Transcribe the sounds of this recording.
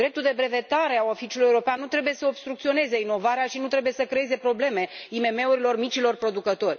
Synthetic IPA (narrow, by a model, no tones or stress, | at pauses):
d̪ɾe̞pt̪uld̪e̞bɾe̞ve̞t̪aɾe̞aofit͡ʃulujeuɾo̞peanːut̪ɾe̞buje̞səobst̪ɾukt̪sio̞ne̞zeino̞vaɾeaʃinut̪ɾe̞buje̞səkɾeeze̞pɾo̞ble̞me̞ime̞me̞uɾilo̞rmit͡ʃilo̞rpɾo̞d̪ukət̪o̞rʲ